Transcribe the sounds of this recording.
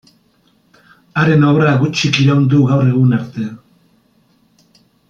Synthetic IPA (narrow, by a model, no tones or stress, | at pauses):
aɾe̞no̞βɾaɣut͡ʃikiɾawnd̪uɣawre̞ɣunaɾt̪e̞